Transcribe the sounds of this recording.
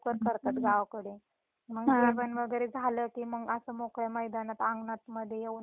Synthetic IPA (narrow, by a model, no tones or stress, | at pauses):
kəɾkəɾt̪at̪ɡaʋkəɽe | məɡeʋənʋəɡəɾed͡zʱaləkiːməɡəsəmokɭəməjd̪anat̪ãŋɡnat̪məd̪ʱːjeje